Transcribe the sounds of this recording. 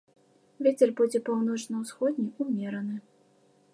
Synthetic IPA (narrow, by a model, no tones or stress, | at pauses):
vʲet͡sʲɛrbud͡zʲɛpawnɔt͡ʂnɐwsxɔd̪ʲnʲiumʲɛɾɐnɨ